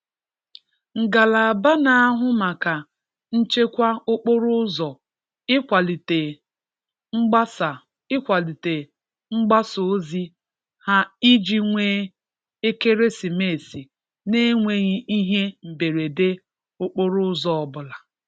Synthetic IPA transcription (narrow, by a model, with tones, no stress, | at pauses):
ŋ̩˨ɡa˨la˨a˨ba˦na˨a˦ɦʊ˦ma˨ka˨ | n̩˦t͡ʃe˦kʷa˦ʊ˦k͡po˦ɾʊ˦zɔ˨ | ɪ˦kʷa˨li˨te˨ | ŋ͡m̩˦ɡ͡ba˦sa˨ | ɪ˦kʷa˨li˨te˨ | ŋ͡m̩˦ɡ͡ba˦so˨˦zi˦ | ha˦i˦d͡ʒi˦ŋʷeː˦ | e˦ke˦ɾe˦si˨me˨si˨ | ne˦ŋʷe˦ɣi˦i˦ɦe˦m̩˨be˨ɾe˨de˦ | o˦k͡po˦ɾʊ˦zɔ˦ɔ˦˨bʊ˨la˨